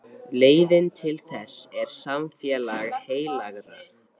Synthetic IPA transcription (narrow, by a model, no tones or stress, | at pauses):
leːjðɪnt̪ʰɪlθɛsːɛɾ̥samfjɛlaɣheːjlaɣɾa̰